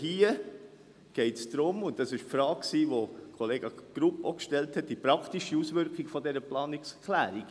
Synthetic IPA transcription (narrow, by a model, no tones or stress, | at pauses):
hiːə | ɡ̥ɛɪtsd̥ɾʊmʊntɑsɪʃfɾɑːkksiːʋokʰoleːɡɑɡ̥ɾupokʃtɛlthɛt̚d̥ipɾɑkʰtiʃiusʋʏɾkχiɡfɔdɛɾəplɑːnɪkskʰlæːɾiɡ̥